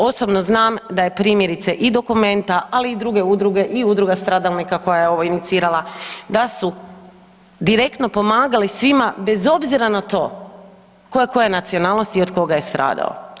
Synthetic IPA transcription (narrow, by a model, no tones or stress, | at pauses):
o̞so̞bno̞znaːmd̪aje̞pɾiːmjeɾit̪seʔid̪o̞kume̞nt̪aʔaliːd̪ɾuɡe̞ud̪ɾuɡe̞ʔiud̪ɾuɡast̪ɾaːd̪alˠnikako̞jajeo̞ʋoinit̪siːɾalˠad̪asu | d̪iɾe̞kt̪no̞po̞maːɡalisʋimabe̞zo̞bziɾanat̪o̞̰ː | koeko̞jenat̪sio̞naːlnost̪io̞d̪ko̞ɡaje̞st̪ɾa̰ːd̪a̰o̰